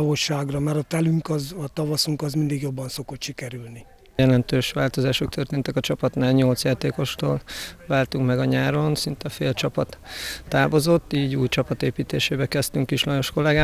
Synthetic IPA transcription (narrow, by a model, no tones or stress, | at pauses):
voʃːaːɡrɒmɛɾɒt̪ɛlyŋkɒzɒt̪ɒvɒsuŋkɒzmind̪iɡjo̞bːɒnso̞ko̞t̪ʃikɛɾylni | jɛlɛnt̪øːʃʋaːlt̪o̞zaːʃo̞k̚t̪ʰørt̪eːnt̪ɛkɒt͡ʃɒpɒt̪naːlɲo̞lt̪sjaːt̪eːko̞ʃt̪o̰ːlvaːlt̪uŋkmɛɡɒɲaːɾo̞nsint̪ɛfeːlt͡ʃɒpɒt̪ːaːbo̞zo̞t̪ːiːɟuːjt͡ʃɒpɒt̪eːpiːt̪eːʃeːbɛkɛst̪yŋkiʃlɒjo̞ʃko̞lɛɡaː